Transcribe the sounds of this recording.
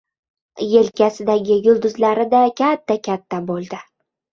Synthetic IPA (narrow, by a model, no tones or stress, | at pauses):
je̞lkʲʰasɪd̪aɡʲɪjʊlˠd̪ʊzlaɾɪd̪akʲʰat̪ʰːakʲʰat̪ʰːabolˠd̪ɪ